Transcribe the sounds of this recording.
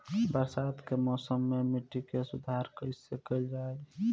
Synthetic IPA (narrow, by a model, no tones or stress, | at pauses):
bəɾsat̪kemɔsəmːemiʈːikesud̪ʱaɾkəisəkəld͡ʒae